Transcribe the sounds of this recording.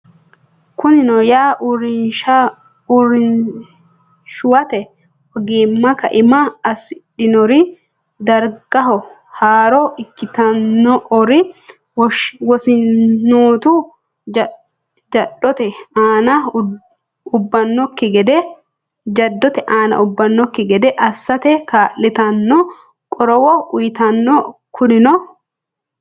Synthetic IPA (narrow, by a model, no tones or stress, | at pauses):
kʊnɪnɔjaːɾɪn | ɾ | ʃʊwɐt̪ɛ | ɔɡiːmːɐkɐ̰ʔɪmɐːsɪᶑɪnɔɾɪ | d̪ɐɾɡɐɦɔ | haːɾɔʔɪkːɪt̪ɐnːɔʔɔɾɪ | ɡɔsɪːuːt̪u | d͡ʒɐᶑɔt̪ɛaːnɐ | ʊbːɐnːɔkːɪɡɛd̪ɛ | d͡ʒɐd̪ːɔt̪ɛʔaːnɐ̰ʔʊbːɐnːɔkːɪɡɛd̪ɛʔɐsːɐt̪ɛkaːlːɪt̪ɐnːɔ | kʼɔɾɔwɔʊjɪt̪ɐnːɔkʰʊnɪnɔ